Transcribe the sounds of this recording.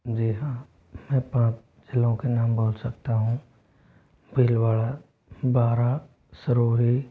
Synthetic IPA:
d͡ʒiːɦãː | mɛ̃ːpãːt͡ʃ | d͡ʒɪlõkenaːmboːlsɐk̚t̪aɦũː | bʱilwaːɭa | baːɾa | səɾoːɦi

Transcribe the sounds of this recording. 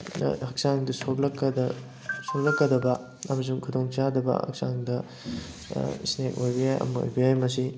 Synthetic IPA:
hɐk̚saŋdɐsok̚lɐkːɐdɐ | sok̚lɐkːɐdɐbɐ | ɐmɐs̬uŋkʰudoŋt͡ʃadɐbɐ̰hɐ̰k̚sa̰ŋdɐ | snek̚ojbijajɐ̰mɐo̰jbiajmɐsi

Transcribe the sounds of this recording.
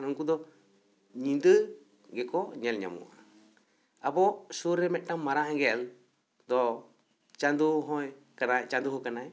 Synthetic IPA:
nuŋkud̪ɔ | ɲind̪ɨ | ɡɛkɔɲɛlɲa̰mṵa̰ | apɔsuɾɛmɛʔʈamːaɾaɦaŋɡɛl | d̪ɔ | t͡ʃand̪uɦɔj | kanajt͡ʃand̪uɦɔkanaj

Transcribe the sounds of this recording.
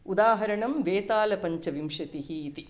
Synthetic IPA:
ud̪aːɦɐɾɐɳɐmʋeːt̪aːlɐpɐɲt͡ʃɐʋimʂɐt̪iɦiːt̪i

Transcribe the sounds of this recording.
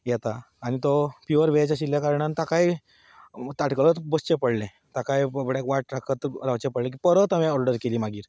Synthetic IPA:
jɛt̪aː | ɽ̃it̪opiʋəɾʋeat͡ɕjaɕiljakaɾɳant̪akaj | t̪aʈklət̪bəst͡ɕepəɽlɛ̃ | t̪akajəbəɽjakʋaʈɾakʰət̪laʋt͡ɕɛpəɽlɛ̃k̬ipəɾət̪amẽɔɾɖəɾkeliːmaɡiːɾ

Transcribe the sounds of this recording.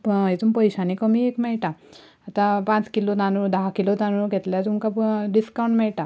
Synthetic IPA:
pəit̪umpəjɕãnikəmiekmɛɭʈaː | t̪ãpãt͡skilot̪anud̪aɦakilot̪anuɡʱɛt̪ljat̪umkapɖiskawɳʈmɛɭʈa

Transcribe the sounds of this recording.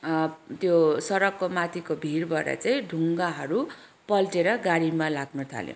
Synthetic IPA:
t̪josʌɾʌkːomat̪ʰikobʱirbaɾʌ̰t͡saĩɖʱuŋɡaɦʌɾu | pʌlʈeɾʌɡaɽimalaɡnut̪ʰa̰ljõ̰

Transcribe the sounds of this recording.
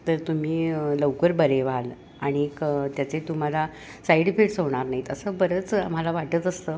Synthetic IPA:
t̪əɾt̪um̤iːləwkəɾbəɾeʋal | aɽ̃iekt̪jat͡set̪um̤ala | saiɽipʰeʈsɦoʋɳ̃aɾnaɦit̪əsəːbəɾəːt͡sa̰m̤alaʋaʈət̪əst̪əː

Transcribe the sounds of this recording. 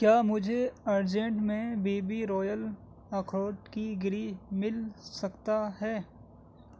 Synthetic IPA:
kjaːmʊd͡ʒʱeɐɾd͡ʒɛ̃ɳʈmẽbiːbiɾɔːjəl | ɐkʰoːʈkiɡɪɾimɪlsɐkt̪aɦɛː

